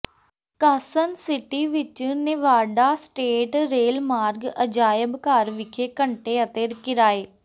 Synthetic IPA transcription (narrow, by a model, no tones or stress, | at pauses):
kəːsənsɪʈiːʋɪt͡ʃnɪʋaːɖaːsʈeːʈɾeːlmaːɾɡəd͡ʒaːjəbkəɾʋɪkʰeːkəɳʈeːət̪eːɾkɪɾaːeː